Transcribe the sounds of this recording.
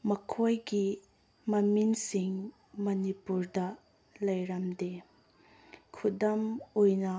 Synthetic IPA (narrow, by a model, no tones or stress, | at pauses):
mɐkʰojɡi | mɐminsiŋ | mɐnipuɾdɐ | lɐjɾɐmde | kʰudɐmojnɐ